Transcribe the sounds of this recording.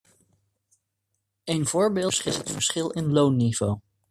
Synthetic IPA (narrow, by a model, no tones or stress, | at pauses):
ejnv̥ʊːɹbɪːsχɪstɦətfəɹsχɪlˠɪnlownːivow